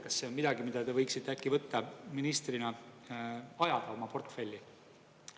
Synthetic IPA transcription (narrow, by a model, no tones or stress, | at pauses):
kɑsːe̞o̞mid̪̥ɑɡimid̪̥ɑt̪e̞vɤjksit̪ːˑe̞ækːˑivɤt̪ːɑminist̪rinɑ | ɑjɑd̪̥ɑo̞mɑpo̞rt̪ːˑfe̞lʲːi